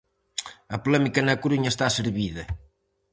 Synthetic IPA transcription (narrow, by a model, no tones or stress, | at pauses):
ɐpulɛmikɐnɐkuɾuɲɐest̪aseɾβiðɐ